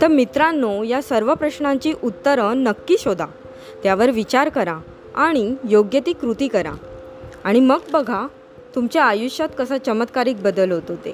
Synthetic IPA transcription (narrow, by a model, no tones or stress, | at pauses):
t̪əɾmit̪ɾãnːojasəɾʋəpɾəɕɳãɲt͡ɕiːʔut̪ːəɾəɳːəkːiːɕod̪ʱa | t̪jaʋəɾʋit͡ɕaɾkəɾa | aɽ̃ijoɡjət̪iːkɾut̪iːkəɾã̰ | aɽ̃iməɡbəɡʱa | t̪umt͡ɕaajuɕjat̪kəsat͡ɕəmət̪kaɾiːk̚bəd̪əlɦot̪ot̪e